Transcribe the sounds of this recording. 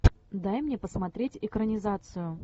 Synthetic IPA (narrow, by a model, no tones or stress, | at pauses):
d̪ajmnʲepəsmɐt̪ɾʲetʲɪkɾənʲɪzat̪sɨjʊ